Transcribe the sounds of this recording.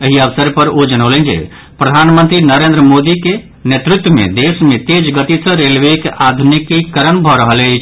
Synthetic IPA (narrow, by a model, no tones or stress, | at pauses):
əɦiəʋsəɾpəɾod͡ʒənələnd͡ʒḛ | pɾəd̪ʱanmənt̪ɾinəɾend̪ɾəmod̪ike | net̪ɾut̪wəmḛ̃d̪esmẽt̪ed͡ʒɡət̪isə̃ɾelʋekʔad̪ʱunikikəɾənbʱɔɾəɦəlet͡ʃʰ